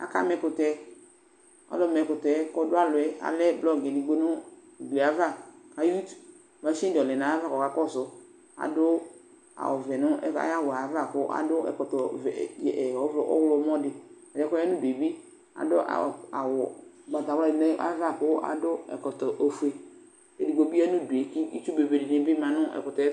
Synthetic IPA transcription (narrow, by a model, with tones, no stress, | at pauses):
a̰˦ka̰˦mɛ̃˨kʊ˨tɛ˦ | a̰˨˦lɔ˦˨mɛ˨kʊ˨tɛ˨˦kɔ˦dʊ˦a˦lʊ˨ɛ˦a̰˨lɛ˦blɔ˦ɡe˨di˨ɡ͡bo˦nʊ˦˨ | ɡ͡bi˨a˨va˦˨ka˨ju˦t | ma˦ʃĩ˦dɔ˨lɛ˨nã˨˦a˦va˦kɔ˨ka˨˦kɔ˦˨sʊ˨ | a̰˨dʊ˦ | a̰˨wʊ˨vɛ˨nʊ̃˦ɛ˦a̰˦ja˦wʊ˨a˨˦va˦˨kʊ˦ʔa̰˨dʊ˦ɛ̰˨kɔ˨tɔ˨vɛ˨jɔ˦vlɔ˦ʔɔ̰˦wlʊ˦mɔ˦dɪ˨a˨dɪ˦ɛ˦kɔ˦ɛ˦nʊ̃˦be˨bi˦ | a̰˨dʊ˦ʔa̰˨a̰˨wʊ˨ | ɡ͡ba˨ta˨wa˦˨dne˦ʔa̰˦va˦kʊ˦ʔa̰˨dʊ˦ɛ̰˨kɔ˨tɔ˨ʔo˨fu˨e˨ | e˨di˨ɡ͡bo˨bi˦a˦nʊ̃˦du˨e˨ki˦i˦t͡ʃu˦be˨be˨dɪ˨nɪ̃˦bɪ˦mã˨nʊ̃˦ʔɛ̰˨kʊ˨tɔ˨˦ɛ˦